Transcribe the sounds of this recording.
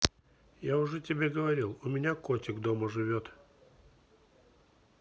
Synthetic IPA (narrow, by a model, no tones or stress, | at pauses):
jaʊʐɛtʲɪbʲeɡəvɐɾʲilˠʊmʲɪnʲakotʲɪɡd̪oməʐɨvʲot̪